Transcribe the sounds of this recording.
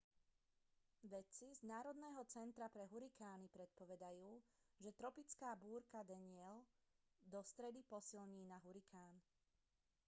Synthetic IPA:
ʋɛt͡siznaːɾɔd̪nɛːɦɔt͡sɛnt̪ɾapɾɛɦuɾikaːnipɾɛt̪̚pɔʋɛd̪ajuː | ʒɛt̪ɾɔpit͡skaːbuːɾkad̪ɛɲɪɛl | d̪ɔst̪ɾɛd̪ipɔsilɲiːnaɦuɾikʰaːn

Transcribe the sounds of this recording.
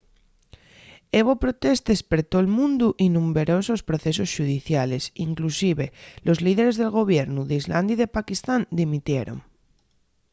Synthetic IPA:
eβ̞opɾot̪est̪espeɾt̪oelmũnd̪uʔinũmbeɾosospɾoθesosʃuð̞iθjale̞siŋklusiβelʔozlið̞eɾezð̞e̞lɣ̞o̞β̞jeɾnuðeizla̰nd̪jiðepakist̪and̪imit̪jeɾo̰ŋ

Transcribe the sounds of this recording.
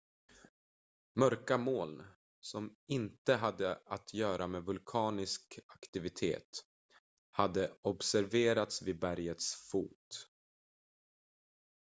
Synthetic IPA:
mœɾkamoːl | sɔmɪnt̪əɦad̪ːəat̪ʰjœːɾʔameːvɵlkʰɑːnɪskakt̪ɪvɪt̪ʰḛːt̪ | had̪ːəɔbsæɾveːɾat̪svɪbæɾjət̪sfuːt̪

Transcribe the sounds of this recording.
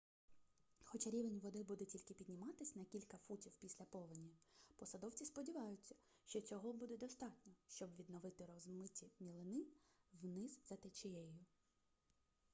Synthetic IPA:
xɔt͡ʃaɾʲiʋenʲʋɔd̪ɪbud̪ɛtʲilʲkɪpʲid̪ʲnʲɪmɑt̪ɪsʲnɐkʲilʲkɐfutʲiwpʲisʲlʲɐpɔʋɪnʲipɔsɐd̪ɔwt͡sʲispɔdʲiʋɑjʊt͡sʲːɐ̥ | ʃt͡ʃɔt͡sʲɔɦɔbud̪ɛd̪ɔst̪ɑtʲnʲɔʃt͡ʃɔbʋʲid̪nɔʋɪt̪ɪɾɔzmɪtʲimʲilˠɪnɪwnɪzzɐt̪et͡ʃɪjɛjʊ

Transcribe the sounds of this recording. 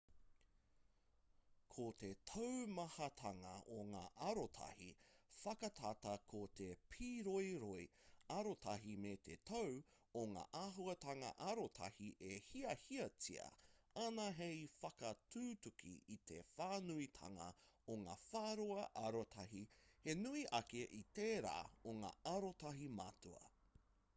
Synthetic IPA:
kʰot̪etʰowmɐhɐt̪ʰɐŋɐoŋaːʔɐɾotʰɐ̰hḭfɐkɐt̪ʰatɐkʰot̪epʰiːɾojɾojɐɾotʰɐɦimet̪ʰet̪ʰow | oŋa̰ːʔaɦuɐt̪ɐŋɐ̰ʔɐɾot̪ʰɐ̰hiʔehiɐhiɐt͡sḭɐ̰ɐnɐɦejfɐkɐtʰuːtukʰḭit̪ʰḛfaːnuitʰɐ̰ŋɐ̰oŋa̰ːfaːɾuɐʔɐɾotʰɐɦihenuiʔɐkeʔiteːɾa̰ːoŋa̰ɐɾotɐɦima̰tuɐ̰

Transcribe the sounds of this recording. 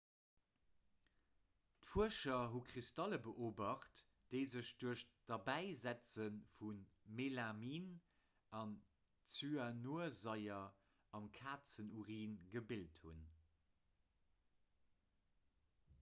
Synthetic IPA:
tfuəʃɐɦukʁistɑləbəʔoːbɑχt | d̥əɪzəʃd̥uəʃd̥ɑbæɪzæt͡sənfun | melamiːn | ɑn | t͡syanuəzɑɪɐ | ɑmkʰaːt͡sənuʁiːnɡəbilthun

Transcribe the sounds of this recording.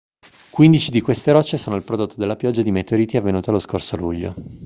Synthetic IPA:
kwind̪it͡ʃid̪ikwest̪eɾɔt͡ʃːesoːnoilpɾod̪ot̪ːod̪elːapjɔd͡ʒːad̪imet̪eoɾiːt̪iavːenuːt̪ealoskorsoluʎːo̰

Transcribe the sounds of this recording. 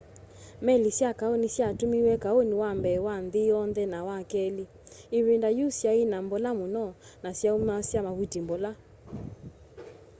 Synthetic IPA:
mɛlisjakaonisjatumiwɛkaoniwambɛwanðiɔnðɛnawakɛli | iβendajusjainambɔlamonɔnasjaumasjamaβutimbɔla

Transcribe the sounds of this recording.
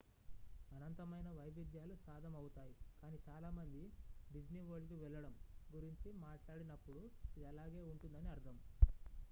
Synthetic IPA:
ɐnɐnt̪ɐmɐjnɐʋɐjʋid̪ʱjaːlusaːd̪ʱɐmɐwut̪aːjikaːniːt͡ʃaːlaːmɐnd̪iɖid͡ʒniːʋoːɭkiʋɛlːɐɽɐmɡuɾiɲt͡ʃimaːʈlaːɽinɐpːuɽuid̪iɐlaːɡe̞ːuɳʈund̪ɐniɐɾt̪ʰɐm

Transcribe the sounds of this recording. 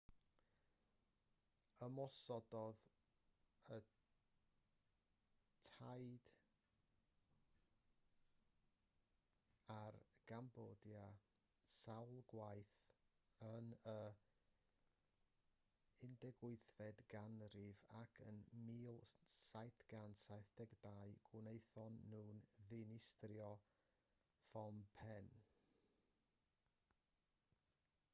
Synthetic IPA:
əmɔsɔdɔð | ə | tʰajd̥ | arɡ̥amboːdja | sawlˠɡwajθənə | ɪndɛɡwʊɨθvɛdɡ̥anrɪvakʰə̰nmiːlˠsajθɡ̥ansajθd̥ɛɡdaːɨɡ̥ʊnejθɔnːuːnðɪnɪstrjɔ | fɔmpʰɛn

